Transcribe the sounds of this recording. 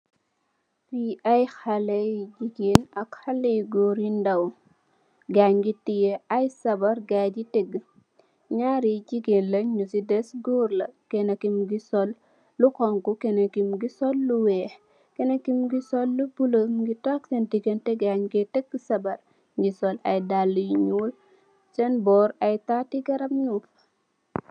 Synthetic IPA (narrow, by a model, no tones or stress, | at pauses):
fiɐjxɐlɐjd͡ʒiɡenɐkxɐlːɐjiɡoɾindɐw | ɡaɲɡitijɛɐjsɐbɐɾɡaːɟitɛɡː | ɲaːɾiɟiɡenlɐɲusidɛsɡoɾlɐkɛnɐkimɡisɔlː | ukɔŋkukenɐkimɡisɔlːuwe | kenɐkimɡisɔlːubulomɡitɔk̚sɛntiɡentɛɡaɲɡetɛɡsɐbɐɾ | ɲɡisɔla̰jdalːujɲul | t͡ʃɛnbɔɾajtatiɡɐɾɐpɲuf